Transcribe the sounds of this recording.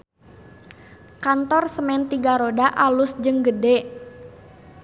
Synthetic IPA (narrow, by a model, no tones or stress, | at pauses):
kant̪ɔrsəmɛnt̪iɡaɾodaʔalʊsd͡ʒəŋɡədɛ